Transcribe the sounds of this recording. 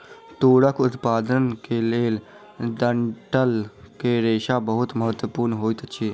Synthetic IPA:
t̪uːɽəkʰʊt̪paːd̪ənkeːleːl | d̪əɳʈəlkeːɾeːʃaːbəɦʊt̪məɦət̪wəpuːɾnɦoːit̪ət͡ʃʰiː

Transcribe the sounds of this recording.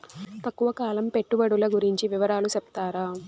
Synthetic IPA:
t̪ɐkːuʋɐkaːlɐmpe̞ʈːubɐɽulɐɡuɾiɲt͡ʃiʋiʋɐɾaːlusɛp̚t̪aːɾa

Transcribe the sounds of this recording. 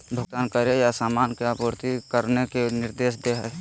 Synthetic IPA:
bʱʊɡ̚t̪aːnkəɾejasaːmaːnkeapoɾt̪ikəɾnekenɪɾd̪eːʃd̪eɦɛ

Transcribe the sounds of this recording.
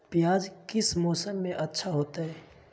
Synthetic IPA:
pjaːd͡ʒkɪsmoːsəmːẽʔɐtːʃʰaɦoːt̪aɦɛː

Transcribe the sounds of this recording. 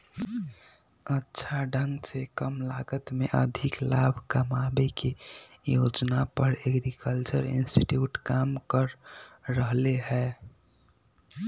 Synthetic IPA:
ətːʃʰaɖʱə̃ŋɡsekəmlaːɡət̪meʔəd̪ʱɪklaːbʱkəmabekejod͡ʒnapəɾeɡɾikəlt͡ʃə̰ɾiɪ̰nsʈiʈjuːʈkaːmkəɾːəɦleɦɛː

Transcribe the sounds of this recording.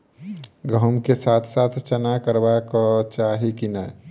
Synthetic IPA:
ɡəɦmkesaːt̪ʰsaːt̪ʰt͡ʃənakəɾbakat͡ʃaːɦikinə

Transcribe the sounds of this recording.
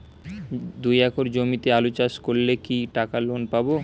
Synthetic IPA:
d̪ujɛkoɾd͡ʑomit̪ealot͡ɕaʃkoɾlekiʈakalonpabo

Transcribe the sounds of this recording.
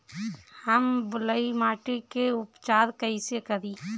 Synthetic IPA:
həmbʊləimaːʈikeʊpt͡ʃaːɾkəisekəɾi

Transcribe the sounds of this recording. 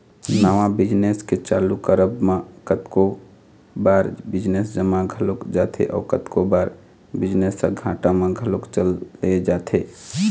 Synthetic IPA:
naʋãbɪd͡ʒnesket͡ʃaːlukəɾəbmãkət̪ko | baːɾbɪd͡ʒnesd͡ʒəmãɡʱəlokd͡ʒaːt̪ʰḛʔɔ̰ːkət̪kobaːɾ | bɪd͡ʒnesəɡʱãːʈamẽɡʱəlokt͡ʃəlːeed͡ʒaːt̪ʰe

